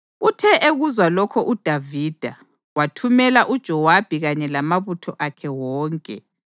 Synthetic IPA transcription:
utʰɛʔeɣuzwalɔkʰɔʔud̥ʱaviːd̥ʱa | watʰumɛlaʔud̥ʒ̥ʱɔwab̥ʱiɣaɲɛlamaβutʰɔʔakʰɛwɔːŋkʼɛ̰

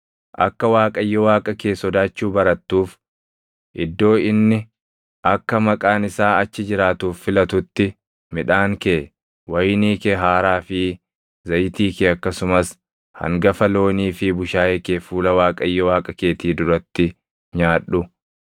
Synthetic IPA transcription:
ʔɐkːɐwaːkʼɐjːɔwaːkʼɐke̞ːsɔd̪aːt͡ʃːuːbɐɾɐt̪ːuːf | ʔɪd̪ːo̞ːɪnːɪ | ʔɐkːɐmɐkʼaːnɪsaːɐt͡ʃːɪd͡ʒɪɾaːt̪uːfːɪlɐt̪ʊt̪ːɪ | mɪᶑaːŋkeː | wɐjniːkeɦaːɾaːfɪ | zɐjt̪iːkɪɐkːɐsʊmɐs | hɐ̰ŋɡɐfɐlo̞ːniːfɪbʊʃaːekeːfuːlɐwaːkʼɐjːɔwaːkʼɐke̞ːt̪iːd̪ʊɾɐt̪ːɪ | ɲaːᶑːʊ

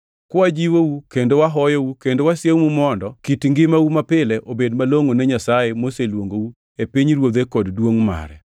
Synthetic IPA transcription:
kwɔad͡ʒiwowukendowaɦɔjoukendowasjewmumɔndɔkitŋɡɪmawumapɪlɛʔobedmaloŋoneɲasajemoselwoŋɡou | epiɲɾwod̪ekɔddwoŋma̰ɾɛ̰

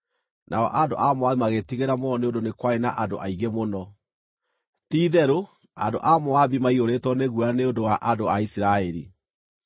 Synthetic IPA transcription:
nʔa̰ɔ̰ʔandoʔamoaðimaɣetiɣeɾamɔneondonekwaenaʔando̰ʔaiɣemonɔ | tiːðɛɾo | a̰ndo̰ʔamoaðimaiɣoɾetwɔneɣuaneondowaʔandoaisiɾaɛɾḭ

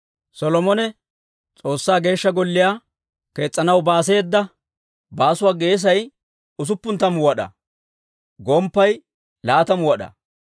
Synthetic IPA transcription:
sɔlɔmɔnɛ | t͡sʼo̞ːsːaːɡe̞ːʃːɐɡɔlːɪjaː | ke̞ːt͡sʼːɐnɐwbaːs̬e̞ːd̪ːɐ | baːsʊwaːɡe̞ːs̬ɐj | ʊs̬ʊpːʊnt̪ːɐmwɔɗɐ̰ | ɡɔmpːɐj | laːt̪ɐmwɐɗɐ̰

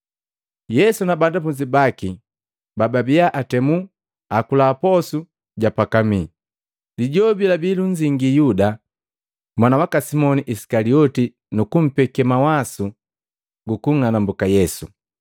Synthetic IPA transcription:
jɛsunabandapuɲd͡ʒibaki | bababijaʔatɛmu | akulaːpɔsu | ɟapakami | liɟɔbilabiluɲd͡ʒiŋɡijuda | mwanawakasimɔniʔisi̥kaliɔti | nukum̩pɛkɛmawasu | ɡukuŋanambukajɛsu

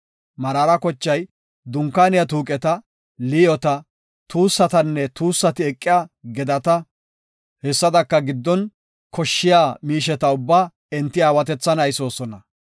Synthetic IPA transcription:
mɐɾaːɾɐkɔt͡ʃːɐj | d̪ʊŋkːaːnɪjɐt̪̬uːkʼɛt̪ɐ | lɪjɔt̪ɐ | t̪uːsːɐt̪ɐnːɛt̪uːsːɐt̪ɪɛkʼːɪjaːɡɛd̪ɐt̪ɐ | hɛsːɐd̪ɐkːɐɡɪd̪ːɔn | kʰɔʃːɪjaːmiːʃɛt̪ɐʊbːaː | ɛnt̪ːɪaːwɐt̪ɛt͡sːɐnɐjso̞ːsɔnɐ

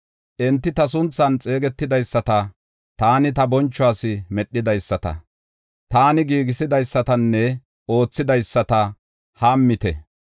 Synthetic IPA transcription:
ʔɛnt̪ːɪt̪ɐsʊnt͡sːɐnt͡sʼe̞ːɡɛt̪ːɪd̪ɐjsːɐt̪ɐ | t̪aːnɪt̪ɐbɔnt͡ʃːʊaːsɪmɛɗːɪd̪ɐjsːɐt̪ɐ̰ | t̪aːnɪɡiːɡɪsɪd̪ɐjsːɐt̪ɐnːɛ | o̞ːt͡sːɪd̪ɐjsːɐt̪ɐ | haːmːɪt̪ɛ

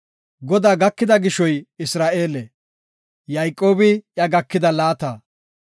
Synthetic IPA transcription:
ɡɔd̪aːɡɐkːɪd̪ɐɡɪʃɔjɪsɾaːʔe̞ːlɛ | jɐjkʼːo̞ːbɪʔjɐɡɐkːɪd̪ɐlaːt̪aː

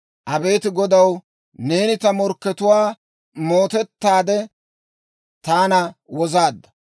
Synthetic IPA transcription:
ʔɐbe̞ːt̪ɪɡɔd̪ɐw | ne̞ːnɪt̪ɐmɔɾkːɛt̪ʊwaː | mo̞ːt̪ɛt̪ːaːd̪ɛ | t̪aːnɐwɔzaːd̪ːɐ̥

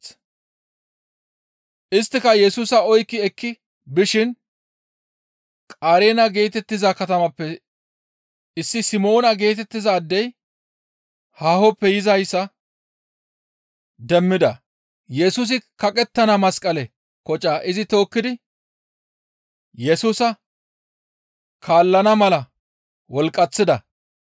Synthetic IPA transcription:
ʔɪst̪ːɪkɐjɛsuːsɐɔjkːɪɛkːɪ | bɪʃɪn | kʼaːɾeːnɐɡe̞ːt̪ɛt̪ːɪzɐkɐt̪ɐmɐpːɛ | ʔɪsːɪsɪmo̞ːnɐɡe̞ːt̪ɛt̪ːɪzɐːd̪ːɛj | haːhɔpːɛjɪzɐjsːɐ | d̪ɛmːɪd̪ɐ̰ | jɛsuːs̬ɪkɐkʼɛt̪ːɐnɐmɐskʼɐlɛ | kɔt͡ʃʼaːʔɪzɪt̪o̞ːkːɪd̪ɪ | jɛsuːsɐ | kʰaːlːɐnɐmɐlɐ | wɔlkʼːɐt͡sːɪd̪ɐ̰

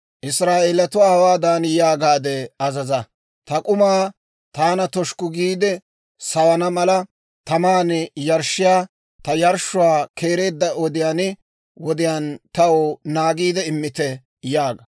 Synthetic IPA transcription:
ʔɪsɾaːʔeːlɐt̪ʊwaːhɐwaːd̪aːnjaːɡaːd̪ɛɐzɐzɐ | t̪ɐkʼʊmaː | t̪aːnɐt̪ɔʃkʊɡiːd̪ɛ | sɐwɐnɐmɐlɐ | t̪ɐmaːnɪjɐɾʃɪjaː | t̪ɐjɐɾʃʊwaːkʰe̞ːɾe̞ːd̪ːɐʔɔd̪ɪjaːnɪ | wɔd̪ɪjaːnt̪ɐwonaːɡiːd̪ɛɪmːɪt̪ɛ | jaːɡɐ

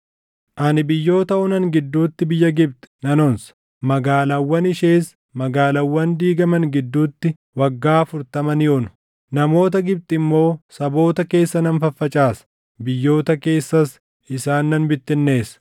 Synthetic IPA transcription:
ʔɐnɪbɪjːo̞ːt̪ɐʊnɐŋɡɪd̪ːuːt̪ːɪbɪjːɐɡɪb̚t̪ʼɛ̥nɐnɔns | mɐɡaːlɐwːɐnɪʃeːs | mɐɡaːlɐwːɐnd̪iːɡɐmɐŋɡɪd̪ːuːt̪ːɪ | wɐɡːaːfʊɾt̪ɐmɐnɪjoːnʊ̥ | nɐmo̞ːt̪ɐɡɪb̚t̪ʼɪmːo̞ːsɐbo̞ːt̪ɐke̞ːsːɐnɐnfɐfːɐt͡ʃʼaːsɐ̥ | bɪjːo̞ːt̪ɐke̞ːsːɐs | ɪsaːnːɐnbɪt̪ːɪnːe̞ːsɐ̥

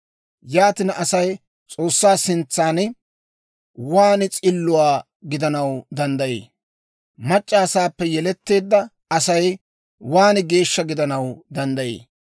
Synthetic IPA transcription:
jaːt̪ɪnɐsɐj | t͡sʼo̞ːsːaːsɪnt͡sːaːn | waːnɪt͡sʼɪlːʊwaː | ɡɪd̪ɐnɐwd̪ɐnd̪ɐjḛː | mɐt͡ʃʼːaːsaːpːɛjɛlɛt̪ːe̞ːd̪ːɐ | ɐsɐj | waːnɪɡe̞ːʃːɐɡɪd̪ɐnɐwd̪ɐnd̪ɐjḛː

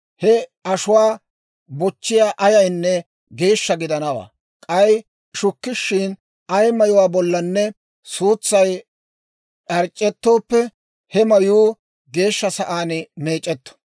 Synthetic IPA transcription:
hɛɐʃʊwaː | bɔt͡ʃːɪjaːʔɐjɐjnːɛ | ɡe̞ːʃːɐɡɪd̪ɐnɐwa̰ː | kʼɐj | ʃʊkːɪʃːɪn | ɐjmɐjʊwaːbɔlːɐnːɛ | suːt͡sːɐj | ɐɾt͡ʃʼːɛt̪ːo̞ːpːɛ | hɛmɐjuː | ɡe̞ːʃːɐsɐʔaːnɪme̞ːt͡ʃʼːɛt̪ːɔ̥

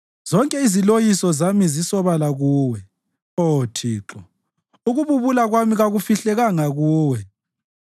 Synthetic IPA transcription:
zɔŋkʼɛizilojisɔzamizisɔβalaɣuːwɛ | otʰiːǁɔ | uɣuβuβulaɣwamiɣaɣufiɬɛɣaŋaɣuːwɛ

